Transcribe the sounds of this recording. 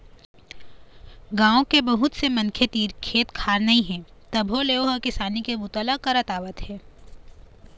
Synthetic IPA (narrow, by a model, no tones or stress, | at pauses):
ɡãːõkebɐɦʊt̪semɐ̃nkʰet̪iːɾkʰeːt̪kʰaːɾnɐĩɦɛ̃ːt̪ɐbʱɦoleːoɦɐkɪsaːnikebʊt̪əlakɐɾɐt̪aːʋət̪ɦɛː